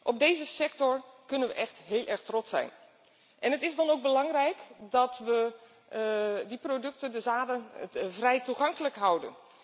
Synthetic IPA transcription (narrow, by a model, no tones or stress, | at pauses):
ʔɔb̚dejzəsɛk̚tɔrkɵnənʋəʔɛxtɦɪːlˠʔɛɹxtrɔtsɛ̰jn | ʔɛnɦətɪzdɑnowɡ̚bəlɑŋrɛjkdɑtʋə | diprodɵk̚təndəzaːdənvrɛjtuχɑŋkələkɦʌwdə̰n